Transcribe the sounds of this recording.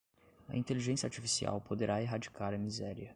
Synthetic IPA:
ɐ̰ĩnt̪eliʒẽsjɐaɾt͡ʃifisia̰wpod̪eɾʔaeɦad͡ʒi̥kaɾɐmizɛɾiɐ

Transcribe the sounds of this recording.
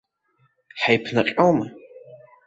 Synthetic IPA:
ħajpʰnaqʲʼowma

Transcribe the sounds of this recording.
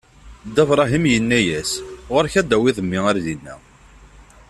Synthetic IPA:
d̪ævɾˤɑɦimjənːæjæsʁʊɾçæd̪æwiðˤəmːiaɾðinːæ

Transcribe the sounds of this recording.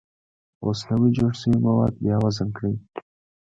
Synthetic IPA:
osnawid͡ʒoɽsəwimawɑd̪̚bjɑwazankɽij

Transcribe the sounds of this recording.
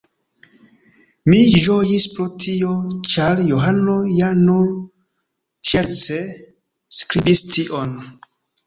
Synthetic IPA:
mid͡ʒojispɾotʰio̞t͡ʃaɾjoɦano̞januɾ | ʃeɾt͡se | skɾibistiʔon

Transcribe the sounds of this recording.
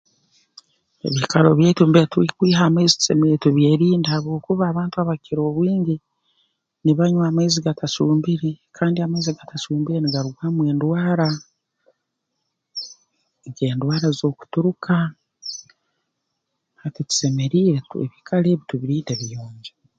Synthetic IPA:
ḛβikalo̞βjeːtuːmbetuwikwiːɦameːzitu̥se̞̰meɾetuβjeːɾiːndahaβoːkuβaːβaːntuaβakiɾo̞ːβwiːɲɟi | niβaɲwaːmeziɡatʰasuːmbiɾe̞kʰaːndiameziɡatʰasuːmbiɾeniɡaɾuɡwamwe̞ːndwaːɾa | ɡe̞ːndwaːɾazo̞ːku̥tuɾukʰa | atitu̥se̞me̞ɾiːɾetuḛβikʰale̞ːβituβiɾiːndeβijoːɲɟe

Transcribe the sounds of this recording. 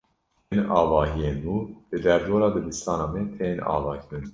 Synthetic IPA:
enɑːvɑːɦijeːnuːbɨd̪ɛɾd̪oːɾɑːd̪ɨbɨst̪ɑːnɑːmɛt̪ʰenɑ̰ːvɑːkʰɾɨn

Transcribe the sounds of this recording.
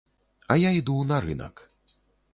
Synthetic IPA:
ɐjaid̪unɐɾɨ̰nɐ̰k

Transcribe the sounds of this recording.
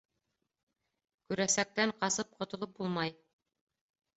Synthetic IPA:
kʉɾæsæk̚t̪æɴqɑsɤp̚qŏt̪ŏlˠɤp̚bulˠmɑj

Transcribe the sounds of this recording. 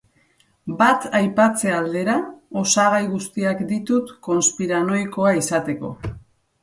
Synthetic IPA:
bat̪ajpat͡se̞ald̪e̞ɾao̞saɣ̞ajɣust̪iakd̪it̪ut̪ko̞nspiɾano̞jko̞aisat̪e̞ko̞̰

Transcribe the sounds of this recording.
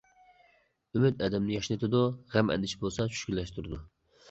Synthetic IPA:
ymyt̪ɛd̪ɛmnɪjɑʃnɨt̪ʰɨd̪uʁæmɛ̰nd̪ɪʃibolˠsɑt͡ʃʰy̥ʃkʲylːɛʃt̪uɾɨd̪u

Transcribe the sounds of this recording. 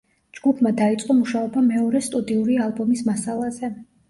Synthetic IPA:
d͡ʒɡupʰmad̪ait̪sʼqʼɔmuʃaɔbamɛɔɾɛst̪ʼud̪iuɾialˠbɔmismasalˠazɛ

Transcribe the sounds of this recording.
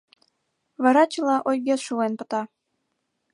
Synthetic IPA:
βɑɾɑt͡ɕəlɑʔojɣet͡sʃuenpət̪ɑ

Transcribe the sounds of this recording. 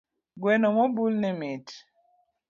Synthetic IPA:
ɡwɛnɔmɔbulnɛmet

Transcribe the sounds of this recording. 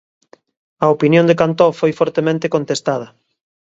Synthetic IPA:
ɐopinjõnd̪ekant̪ɔfojfɔɾt̪emẽnt̪ekont̪est̪að̞ɐ

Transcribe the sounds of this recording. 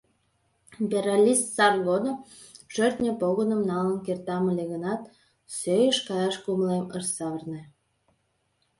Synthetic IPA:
bʲeɾalʲist̪sɑrɣod̪o | ʒ̥ørt̪nʲəpoɣənəmnɑlənkert̪ɑməlʲeɣənɑt̪ | søjəʃkɑjɑʃkumlemərsɑβərne

